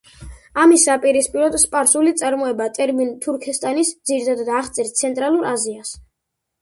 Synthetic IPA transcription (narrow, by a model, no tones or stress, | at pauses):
amisːapʼiɾispʼiɾɔd̪spʼaɾsulit̪sʼaɾmɔɛbat̪ʼɛɾmint̪ʰuɾkʰɛst̪ʼanisd̪ziɾt̪ʰad̪ad̪ːχt̪sʼɛɾt̪sʰɛnt̪ʼɾalˠuɾʔazias